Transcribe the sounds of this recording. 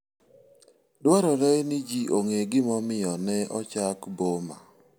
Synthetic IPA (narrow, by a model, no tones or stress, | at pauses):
dwaɾɔlɛjnɪd͡ʒiʔoŋeɡɪmɔmɪjɔnɛʔɔt͡ʃakboma̰